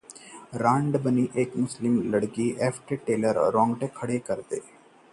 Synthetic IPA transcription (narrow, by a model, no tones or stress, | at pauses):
ɾãːɳɖbəniʔeːkmʊslɪmləɽkiʔeːfʰʈeʈeːləɾɾɔ̃ːŋɡʈekʰːɐɽekɐɾt̪eː